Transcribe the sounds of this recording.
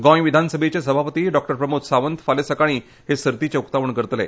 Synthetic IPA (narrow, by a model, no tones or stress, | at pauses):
ɡɔ̃jʋid̪ʱansəbʱet͡ɕesəbʱapət̪iːɖɔk̚ʈəɾpɾəmut̪saʋənt̪falesəkaɽ̃iː | ɦesəɾt̪it͡ɕeukt̪aʋəɳkəɾət̪lḛ